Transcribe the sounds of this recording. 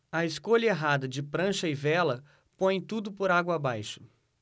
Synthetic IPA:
ɐɪskoʎɐeɦad̪ɐd͡ʒɪpɾɐ̃ʃɐɪvɛlɐ | põj̃t̪ud̪ʊpoɾaɡwɐːbajʃʊ̥

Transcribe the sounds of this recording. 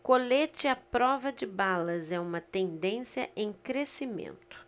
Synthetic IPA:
kolet͡ʃɪɐpɾɔvɐd͡ʒɪbalɐzɛũmɐt̪ẽnd̪ẽsjɐʔẽj̃kɾesimḛ̃nt̪ʊ̥

